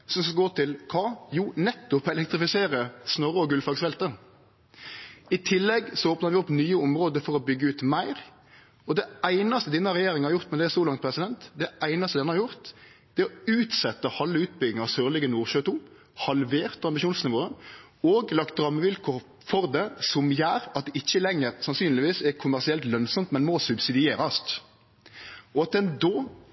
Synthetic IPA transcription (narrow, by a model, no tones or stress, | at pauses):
sɔmsɔɡoːt̪ʰɪlkʰɑːjuːnɛt̪ːʊpɛlɛk̚t̪ɾɪfɪseːɾəsnɔʁəɔɡʉlfɑɡsfɛlt̪ə | ɪt̪ʰɪlːɛɡsɔoːpnəɾʋɪɔpːnyːəʊmʁoːd̪əfɔʁɔbʏɡːəʉːt̪mæɪʁ | ɔd̪ɛæɪnɑst̪əd̪ɛnəhɑʁɛjeːɾɪŋhɑɾjʊʁt̪mɛnd̪ɛæsɔlɑŋt̪̚pʰʁɛsɪd̪ɛnt̪d̪ɛæɪnɑst̪əd̪ɛnəhɑʁjʊʁt̪d̪̥ɛɔʉːt̪sɛt̪ːəhɑlːəʉːt̪̚bʏɡ̪ɪŋɑsøːʁlɪɡənuːʁʃøːt̪uː | hɑlʋeːʁt̪ɑmbɪʃuːnsnɪʋoːə | oːɡlɑkt̪̚d̪ɾɑmːəʋɪlkɔ | fɔʁd̪ɛsɔmjæːɾɑt̪̚d̪ɛʔɪçːəlɛŋːəɾsɑnsyːnlɪʋiːsɛkʰʊmæʁsɪɛlt̪lœnsɔmt̪mɛnmɔsʉbsɪd̪ɪeːɾɑst̪ | ɔɑt̪̚d̪ɛnd̪oː